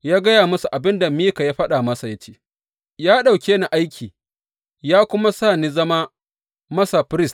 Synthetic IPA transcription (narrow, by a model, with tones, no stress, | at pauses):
jaː˦ɡɐ˦jaː˨mʊ˦su˨ʔa˨bɪ˦nda˨miː˦ka˨jaː˦ɸɐ˦ɗa˨mɐ˦sa˨jɐ˦t͡ʃeː˦ | jaː˦ɗa˨wkʲeː˦na˨ʔa˦jkʲʰiː˨ | jaː˦kʷʊ˦ma˦saː˦˨niː˦zɐ˦ma˦ | mɐ˦sa˨ɸɾɪ˦st